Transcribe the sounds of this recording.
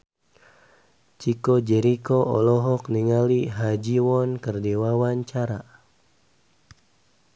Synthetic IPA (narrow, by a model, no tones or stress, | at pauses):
t͡ʃikɔd͡ʒɛɾikɔʔɔ̰lɔɦɔkniŋaliɦad͡ʒiwɔnkərdiwawaɲt͡ʃaɾa